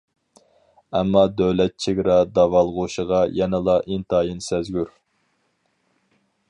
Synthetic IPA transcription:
æmːɑd̪øwlɛt̪̚t͡ʃʰeɡʲɾɑd̪ɑvɑlˠʁʊʃəʁɑjɛnɨlˠɑʔint̪ʰɑːjinsæzɡʲyɾ

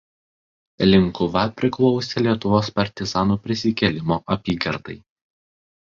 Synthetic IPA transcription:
lʲɪŋkʊʋɐpʲɾʲɪklˠɒʊsʲelʲiɛt̪ʊʋoːspɐɾʲt̪ʲɪzɑːnuːpʲɾʲɪsʲɪkʲɛlʲɪmoːʔɐpʲiːɡʲɐɾd̪ɐ̰ɪ

